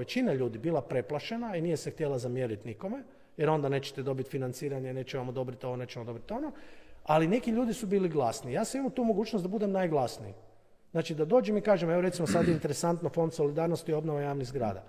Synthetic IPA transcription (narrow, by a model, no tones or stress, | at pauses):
et͡ʃinaʎuːd̪ibilˠapɾe̞plˠaʃe̞nainije̞sext̪jelazamje̞ɾit̪niko̞me | jeɾo̞nd̪ane̞ːt͡ʃe̥t̪ed̪o̞bit̪finant̪siːɾaɲeneːt͡ʃeʋamod̪o̞bɾit̪oʋone̞ːt͡ʃemod̪o̞bɾit̪o̞noaline̞kiʎuːd̪isubiːliɡlˠasnijaːsamimut̪uːmoɡuːt͡ʃnosd̪abud̪e̞mnajɡlˠasnii | znaːt͡ʃid̪ad̪o̞ːd͡ʒemikaːʒemeo̞ɾet̪simosad̪jeint̪e̞ɾesant̪nofo̞nd̪so̞lid̪aːɾnost̪io̞bnoʋajaːʋnizɡɾa̰ːd̪a̰